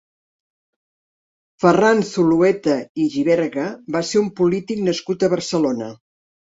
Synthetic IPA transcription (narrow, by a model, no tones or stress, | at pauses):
fəransuluɛt̪əiʒiβɛɾɣəbaseumpulit̪iknəskut̪əβəɾsəlonə